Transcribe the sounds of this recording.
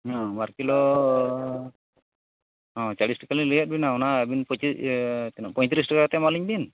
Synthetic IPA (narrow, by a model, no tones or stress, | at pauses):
ɔ̃maɾkilɔ | ɔ̃t͡ʃaɽisʈɛkalilijat̪̚binaɔnabinpɔt͡ʃit̪ɛnapɔj̃t̪ɾis̬dakat̪ɛmaliɲbin